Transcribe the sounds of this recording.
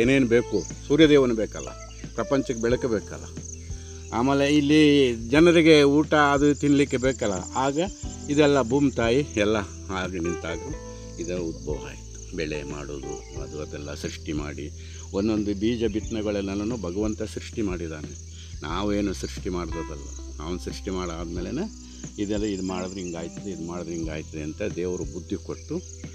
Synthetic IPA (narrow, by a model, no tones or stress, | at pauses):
eːneːnubeːkusuːɾjɐd̪eːʋɐnubeːkɐlːɐ̰ | pɾɐpɐɲt͡ʃɐkːebɛɭɐkebeːkɐlːɐ̰ | aːmeːleilːid͡ʒɐnɐɾiɡe̞uːʈɐːd̪ut̪iɳlikːebeːkɐlːɐaːɡɐid̪ɛlːɐbʱuːmt̪aːjiɛlːɐ | aːɡɐnint̪aːɡu | id̪ɐud̪̚boːʋɦa̰ːjit̪u̥bɛɭema̰ːɽoːd̪ṵ | ɐ̰d̪uɐd̪ɛlːɐsɾiʂʈima̰ːɽi | onːond̪ubiːd͡ʒɐbʱiʈ̪nɐɡɐɭɛlːɐlɐnuːbʱɐɡɐʋɐnt̪ɐsɾiʂʈimaːɽid̪aːne | naːʋe̞ːnusɾiʂʈimaːɽd̪ɐːd̪ɐlːɐ̰ | ɐʋɐnsɾiʂʈimaːɽaːd̪meːlenɐ | id̪ɛlːɐid̪umaːɽod̪ɾiŋɡaːjt̪ɐd̪eid̪umaːɽod̪ɾiŋɡaːjt̪ɐd̪eɐnt̪ɐd̪eːʋɐɾubud̪ʱːikoʈːu